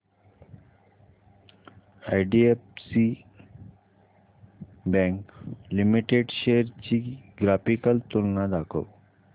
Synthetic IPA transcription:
ajɖiefsi | bɛ̃ŋklimiʈeɖɕeɾt͡ɕiːɡɾafikəlt̪olnad̪akʰə̰w

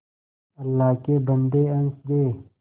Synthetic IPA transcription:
ɐlːaːkebɐnd̪eːɐnsd̪eː

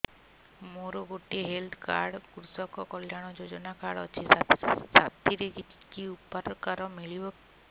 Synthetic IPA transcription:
moɾɔɡoʈieɦeld̪ka̰ɾɽkɾusɔkɔkɔljaɽ̃ɔd͡ʒod͡ʒɔnakaɽɔ̰t͡ʃʰisat̪iɾeki | kiupɔɾkaɾɔmiɭibɔ

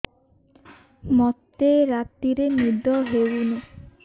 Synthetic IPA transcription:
mɔt̪ːeɾat̪iɾenud̪ɔɦewunu

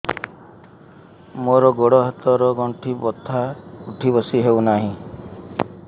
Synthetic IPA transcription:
moɾɔɡoɽɔɦɔt̪ɔɾɔɡɔɳʈʰibɔt̪ʰːauʈʰibɔsiɦewnaɦĩ

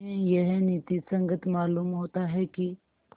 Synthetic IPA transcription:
ẽjɛɦniːt̪isɐ̃ŋɡət̪maːluːmɦoːt̪aɦɛki

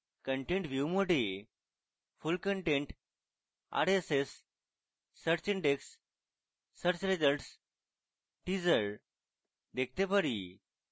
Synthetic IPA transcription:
kəɳʈẽɳʈʋjumoʈe | fulkəɳʈẽɳʈ | a̰ɾesesː | əɾt͡ɕiɳɖeksː | əɾt͡ɕɾed͡zəlʈs | ʈid͡zəɭ | d̪ek̚ʰt̪epəɾi

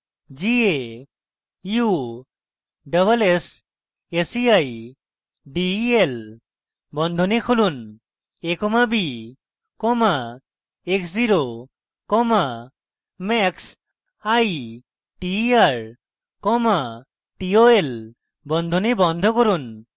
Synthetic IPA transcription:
zie | ju | ɖɔβales | esiaj | ɖiel | bɔnd̪ʱɔnikʰolun | ekɔmabi | kɔma | eksziɾo | kɔma | mɛks | aj | ʈiaɹ | kɔma | ʈioel | bɔnd̪ʱɔnibɔnd̪ʱɔkoɾun

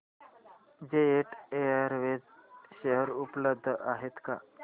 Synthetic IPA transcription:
d͡ʑeeʈeaɾʋed͡zɕəɦəɾupləb̚d̪ʱʔaɦet̪ka̰

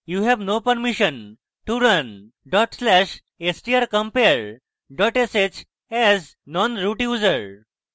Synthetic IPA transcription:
juːɦɛʋnopəɾmiʃə̃n | ʈuɾən | ɖɔʈslɛʃ | esʈiəɾkə̃mpeɾ | ɖɔʈeset͡ɕ | ɛz | nɔ̃nɾuʈjuːzəɾ

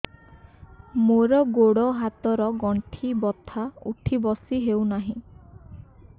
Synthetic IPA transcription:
moɾɔɡoɽɔɦat̪ɔɾɔɡɔɳʈʰibɔt̪ʰaṵʈʰibɔsiɦewnaɦĩ

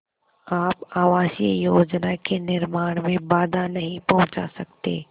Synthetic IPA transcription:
aːpaːʋaːʃjəjoːd͡ʒnakenɪɾmaːɽ̃mẽbaːd̪ʱanɐɦĩpɐɦʊ̃t͡ʃa̰sɐk̚t̪ḛː

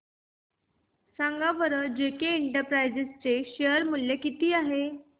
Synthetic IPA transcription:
sãŋɡaʋəɾəd͡ʑekeːɳʈəɾpɾajd͡zest͡seɕejəɾmulːekit̪iːaɦe

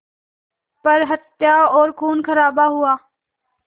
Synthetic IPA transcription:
pəɾɦət̪jaːɔːɾkʰuːnkʰəɾaːbaːɦʊaː

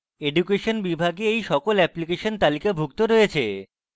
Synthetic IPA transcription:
eɖukeʃonbibʱaɡeejʃɔkolɛplikeʃont̪alikabʱuɡ̚t̪oɾojet͡ɕʰḛ

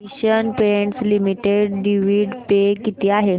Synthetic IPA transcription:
iɕənpeeɳʈslimiʈeɖɖiʋiɖpekit̪iaɦe

